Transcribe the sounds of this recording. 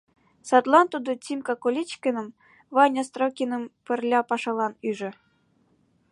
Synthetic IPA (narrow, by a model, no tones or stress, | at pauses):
sɑt̪lˠɑnt̪ud̪ŏt͡sʲimkɑkolʲit͡ɕkʲenɤ̆m | vɑnʲɑst̪rokʲinɤ̆mpɘ̆rlʲɑpɑʃɑlˠɑnyʒɘ̆